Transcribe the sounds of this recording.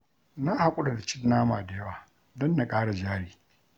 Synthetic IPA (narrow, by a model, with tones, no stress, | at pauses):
na˦ha˨kʷʼʊ˦ɗa˨da˨t͡ʃɪ˦nːaː˦maː˨da˨jɐ˦waː˨ | dɔ˦nːa˨kʼaː˦ɽa˨d͡ʒaː˦ɽiː˨